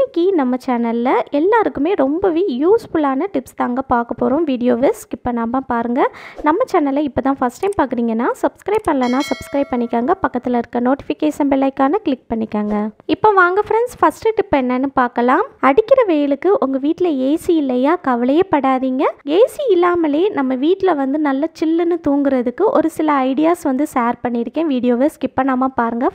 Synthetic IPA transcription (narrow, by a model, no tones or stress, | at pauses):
ɪkːinɐmːɐt͡ʃaːnɐlːɐʔɛlːaːɾɯkːɯmeːɾɔmbɐʋiːjuːsfʊlaːnɐʈɪpst̪aːŋɡɐpaːɾkɐpːoːɾõmʋiːɽɪjoːʋɪskɪpːɐnaːbɐ̃ːpaːɾɯŋɡɐnɐmːɐt͡ʃaːnɐlːɐɪpːoːt̪ãːfɐsʈɐɪmpaːɾkɯɾiːŋɡɐnːaːsɐbskɾɐɪb̚pɐɳlɐnːaːsɐbskɾɐɪb̚pɐɳːɪkːaːŋɡɐpɐkːɐt̪ːɪlɐɪɾɯkːɐnoːʈɪfɪkeːʂɐnbɪlɐɪkːaːnɐklɪk̚pɐɳːɪkːaːŋɡɐɪpːoːʋaːŋɡɐfɾɐnsfɐsʈɯʈɪpːɐɛnːɐnːɯpaːɾkɐlaːmɐɽɯkːɪɾɐʋejɪlɯkːɯʔʊŋɡɐʋiːʈːɪlɐeːsiɪlːɐjaːkɐʋɐlɐjɐpːɐɽaːðiːŋɡɐɡeːsiɪlːaːmɐleːnɐmːɐʋiːʈːɪlɐʋɐnd̪ɯnɐlːɐt͡ʃɪlːɯnːɯt̪uːŋɡɪɾɐðɯkːɯʔɔɾɯsɪlɐɐɪɽɪjaːsʋɐnd̪ɯsaːɾpɐɳːɪɽɯkːẽːʋiːɽɪjoːʋeːskɪpːɐnaːmaːpaːɾɯŋɡɐ